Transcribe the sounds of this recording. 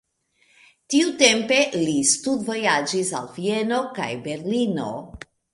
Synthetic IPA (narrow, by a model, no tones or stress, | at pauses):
tiute̞mpe̞listudvo̞jad͡ʒisa̰lvie̞no̞ka̰jbe̞ɾlino̞̰